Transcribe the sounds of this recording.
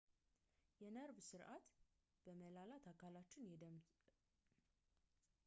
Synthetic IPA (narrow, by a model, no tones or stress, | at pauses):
jɛnəɾvsɨɾʔat̪ | b̥əməlalat̪ʰakʰalat͡ʃːɪnjɛd̪əm